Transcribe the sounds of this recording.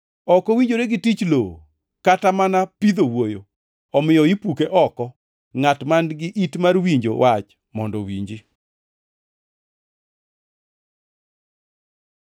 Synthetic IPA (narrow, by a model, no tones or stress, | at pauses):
ɔkɔwiɲd͡ʒoɾeɡɪtit͡ʃlo | katamanapid̪owojo̰ | ɔmɪjɔipukeʔɔkɔ | ŋatmanɡɪʔitmarwiɲd͡ʒo̰wʔat͡ʃ | mɔndɔwiɲd͡ʒi